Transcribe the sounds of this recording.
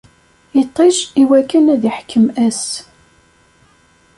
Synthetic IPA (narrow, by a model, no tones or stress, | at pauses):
jit̪ˤːeʃiwækːənæðiħkʰːəmæs